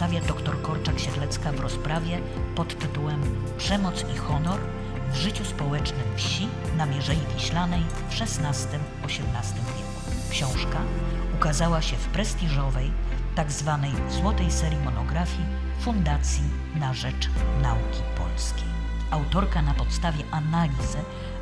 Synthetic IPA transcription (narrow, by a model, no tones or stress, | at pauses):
st̪avʲjad̪ɔkt̪ɔɾkɔɾt͡ʂakɕɛd̪lɛt̪skavɾɔspɾʔavʲjɛ | pɔt̪ːɘt̪uwɛm | pʂɛmɔt̪sixɔnɔɾ | vʐɘt͡ɕuspɔwɛt͡ʂnɘmfɕi | namʲjɛʐɛivʲiɕlanɛj | fʂɛsnast̪ɘm | ɔɕɛmnast̪ɘmvʲjeku̥kɕɔ̃w̃ʂkaukazawaɕɛfpɾɛsʲt̪ʲiʐɔvɛjt̪aɡzvanɛjswɔt̪ɛjsɛɾʲjimɔnɔɡɾafʲji | fund̪at̪sʲji | naʐɛt͡ʂnaukʲipɔ̰lskʲej | awt̪ɔɾkanapɔt̪st̪avʲjɛʔanalʲizɘ